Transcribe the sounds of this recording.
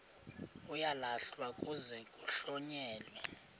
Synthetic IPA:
ujalaɬwakʼuzɛkʼuɬɔɲɛːlwɛ

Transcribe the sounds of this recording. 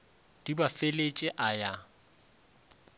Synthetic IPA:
d̥ibafelet͡ʃʼɪʔaja

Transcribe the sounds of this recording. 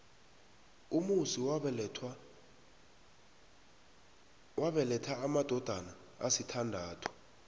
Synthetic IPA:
umusi | waɓɛlɛtʰaːmad̥ʱɔd̥ʱana | asitʰandʱaːtʰɔ̥

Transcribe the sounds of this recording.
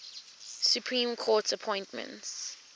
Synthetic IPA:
sjupʰɹĩːmkʰɔːtsəpʰɔ̃ɪ̃ntmə̰̃nts

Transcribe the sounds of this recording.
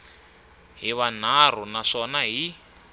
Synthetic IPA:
ɦiβan̤ar̤unaʂɔnaɦi

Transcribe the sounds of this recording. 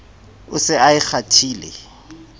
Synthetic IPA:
ʊsɪaɪk͡xʰatʰiːlḛ

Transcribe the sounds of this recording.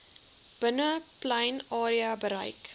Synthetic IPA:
b̥ənəplɐjnɑːɾiɐbəɾɐ̰jk

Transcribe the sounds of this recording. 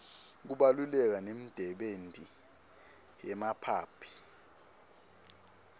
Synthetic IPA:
k̬uɓalulɛk̬anem̩d̥ʱɛɓentʼi | jɛmapʰaːpʰi̥

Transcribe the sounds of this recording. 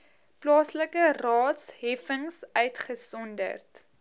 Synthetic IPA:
plɑːsləkərɑːtshɛfəŋsœɥtχəsɔndə̰rt

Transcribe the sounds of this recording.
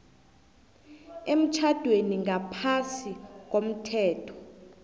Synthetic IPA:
em̩t͡ʃʰad̥ʱweniŋʱapʰasik̬om̩tʰɛːtʰɔ̥

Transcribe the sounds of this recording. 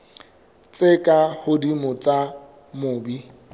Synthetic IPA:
t͡sʼekʼahʊdimʊt͡sʼa | mʊːbi

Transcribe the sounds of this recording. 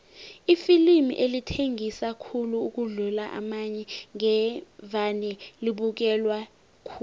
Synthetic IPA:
ifilimḭʔelitʰeŋisakʰuluuk̬uɮulaʔa̰maɲɛŋɛvanɛliɓuk̬ɛlwa | kʰu

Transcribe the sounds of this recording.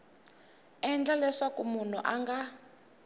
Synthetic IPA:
ɛnd͡ɮalɛʂakumun̤ṵʔaŋɡa

